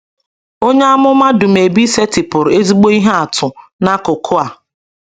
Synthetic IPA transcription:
o˦ɲe˦a˦mʊ˦ma˦dʊ˨m̩˨e˨bi˦se˦tɪ˨pʊ˨ɾʊ˨e˦zi˦ɡ͡bo˦i˦ɦe˦a˨tʊ˨na˦kʊ˨kʰʊ˦a˨

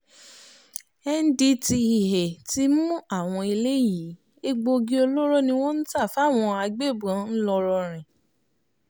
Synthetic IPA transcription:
ɛ˦n̩˦di˦ti˧i˨ɦe˨ti˦mũ˦a˦˨w̃ɔ̃˧i˧le˦ji˨˦ | e˦ɡ͡bo˧ɡi˦o˧lo˦ɾɔ˦nĩ˧w̃ɔ̃˦n̩˦ta˦˨fa˨˦˨w̃ɔ̃˧a˧ɡ͡be˦˨bɔ̃˨˦n̩˦lɔ˧ɾɔ˧ɾ̃ɛ̃˨

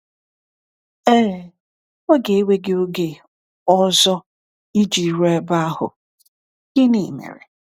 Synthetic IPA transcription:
eː˦˨˦ | o˦ɡe˨e˦we˦ɡe˦o˦ɡe˨ | ɔ˦zɔ˦ | i˦d͡ʒi˨ɾɛ˦ba˦a˦hʊ̰˨ | ɡ̥ɪ˦ni˨mḛ˨ɾḛ˨

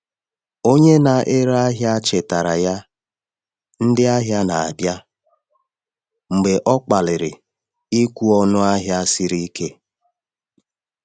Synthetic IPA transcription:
o˦ɲe˦na˨ʔe˦ɾa˦ɦja˦t͡ʃe˨ta˨ɾa˨ja˦ | n̩˦dɪ˦a˦ɦja˦na˨a˨bja˦ | ŋ͡m̩˨ɡ͡be˨ʔɔ˦k͡pa˨lɪ˨ɾɪ˨ | i˦kʷu˦ɔ˦nʊ˦a˦ɦja˦sɪ˦ɾi˦ke˦

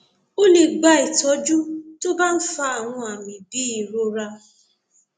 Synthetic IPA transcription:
o˦le˨ɡ͡ba˧˦i˨tɔ˨˦d͡ʒu˦to˦ba˦n̩˦fa˧a˨w̃ɔ̃˧a˨mĩ˨bi˨˦i˨ɾo˧ɾa˧

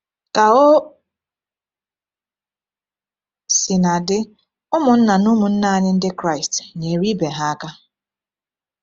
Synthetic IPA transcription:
ka˨o˦ | si˨na˨dɪ˦ | ʊ˦mʊ˨n̩˦na˨nu˦mʊ˨n̩˦na˨˦ɲɪ˦n̩˦dɪ˦kɾa˦˨ɪ˨stɲe˨ɾi˦be˨ɦa˦a˦ka˦

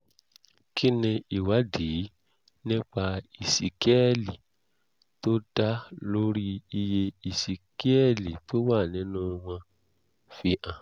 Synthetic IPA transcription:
ki˦nĩ˧i˨wa˨˦di˨˦ | nĩ˦k͡pa˧i˨si˨ki˦ɛ˦˨li˨ | to˦da˦lo˦ɾi˦i˧je˧i˨si˨ki˦ɛ˦˨li˨to˦wa˦˨nĩ˨˦nũ˦w̃ɔ̃˧ | fi˧ʔã˨

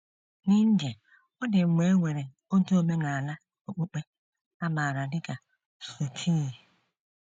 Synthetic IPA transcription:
ni˦n̩˦d͡ʒe˨ | ɔ˦dɪ˨mʷe˨˦ŋʷe˨ɾe˨ | o˦tu˦o˨me˦na˨a˨la˦ | o˨k͡po˦k͡pe˦ | a˦ma˨ɾa˨dɪ˦ka˨ | su˨tʰi˦˨

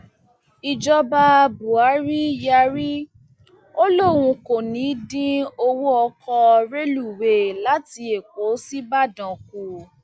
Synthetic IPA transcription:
i˧d͡ʒɔ˧ba˧bu˨a˨˦ɾi˦ja˧ɾi˦ | o˦lo˦˨w̃ũ˧ko˨nĩ˨˦dĩ˦o˧wo˦ɔ˧kʰɔ˧ɾe˦lu˨we˨la˨˦ti˧e˨ko˨˦si˦ba˦˨dã˨k̚u˨

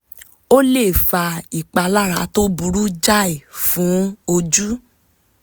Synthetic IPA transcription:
o˦le˦˨fa˧i˨k͡pa˧la˦ɾa̰˨˧˦to˦bu˧ɾu˦d͡ʒa˦i˨fũ˨˦o˧d͡ʒu˦

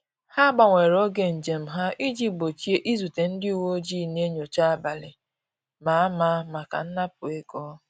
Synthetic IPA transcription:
ha˦ɡ͡ba˨ŋʷe˨ɾo˦ɡe˦n̩˨d͡ʒe˨m̩˨ɦa˦ʔi˦d͡ʒi˦bo˨t͡ʃi˦e˦ʔi˦zu˨te˨n̩˦dɪ˦u˨wo˦o˦d͡ʒi˦˨ne˦ɲo˨t͡ʃa˦a˦ba˨lɪ˨ | ma˨a˦ma˦ma˨ka̰˨n̩˦na˦pʊ˨e˦ɡɔ˦

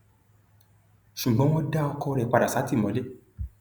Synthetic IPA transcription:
ʃũ˨ɡ͡bɔ̃˨˦mɔ̃˦da˦ɔ˧kɔ˧ɾɛ˧˨k͡pa˧˨da˨sa˨˦ti˦˨mɔ̃˨˦le˦˨

